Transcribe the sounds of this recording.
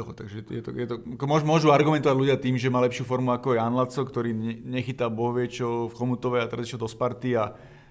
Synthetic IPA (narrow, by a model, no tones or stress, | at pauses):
ɔɦɔt̪aɡʒɛɛt̪jɛt̪ɔ̰jɛt̪ɔakɔmʊɔʒmʊɔʒuaɾɡumɛnt̪ɔʋaɟluɟɪat̪iːmʒɛmaːlɛpʃɪufɔɾmuakɔaanlat͡sɔkt̪ɔɾiːɛɲɛxit̪abɔɦɔʋɪɛt͡ʃɔfxɔmut̪ɔʋɛat̪ɛɾaziʃɛld̪ɔspaɾt̪ia